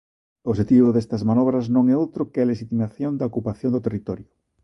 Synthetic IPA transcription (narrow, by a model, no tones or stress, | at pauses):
oʃet̪iβoðest̪ɐzmanɔβ̞ɾɐznõŋɛowt̪ɾokɪaleʃit̪imaθjond̪ɐokupaθjõnd̪ʊt̪erit̪ɔɾjʊ